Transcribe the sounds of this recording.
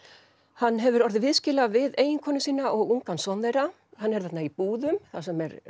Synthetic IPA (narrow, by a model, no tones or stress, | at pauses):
hanːɦɛvʏɾɔɾðɪvɪðscɪːlavɪðeːjɪŋkʰɔːnʏsiːnaʔɔɣuŋkansɔnðejɾa | hanːɛɾθɛt̪naipuːðʏmθasɛmɛɾ